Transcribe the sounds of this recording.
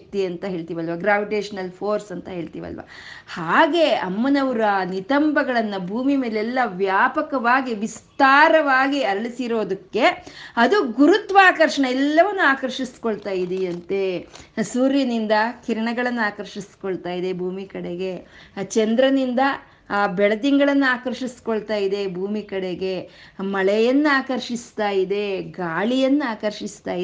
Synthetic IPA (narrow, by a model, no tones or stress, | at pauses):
k̚t̪iɐnt̪ɐɦe̞ːɭt̪iːʋɐlʋɐɡɾaːʋiʈeːʂɐnɐlpʰoːɾsɐnt̪ɐɦe̞ːɭt̪ḭːʋɐ̰lʋɐ̰ | haːɡe̞ɐmːɐnɐʋuɾɐnit̪ɐmbʱɐɡɐɭɐnːɐbʱuːmimeːlɛlːɐʋjaːpɐkɐʋaːɡiʋist̪aːɾɐʋaːɡiɐɾɐɭisiɾo̞ːd̪ɐkːe̞ɐd̪uɡuɾut̪ʋaːkɐɾʂɐɳɐɛlːɐʋɐnːuaːkɐɾʂisi̥koɭt̪aːjid̪iɐnt̪esuːɾjɐnind̪ɐkiɾɐɳɐɡɐɭɐnːuaːkɐɾʃiskoɭt̪aːjid̪e̞bʱuːmikɐɽeɡe̞t͡ʃɛnd̪ɾɐnind̪ɐː | bɛɭɐd̪iŋɡɐɭɐnːuaːkɐɾʂisi̥koɭt̪aːjid̪e̞bʱuːmikɐɽeɡe̞mɐɭɛjɐnːuaːkɐɾʂist̪aːjid̪e̞ɡaːɭijɐnːuaːkɐɾʃist̪aːji